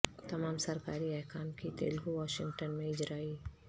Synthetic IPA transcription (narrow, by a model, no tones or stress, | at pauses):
t̪ɐmaːmsɐɾkaːɾiɛːkʰaːnkit̪ḛːlɦuʋaːʃɪ̃ŋɡʈənmẽɪd͡ʒɾaːi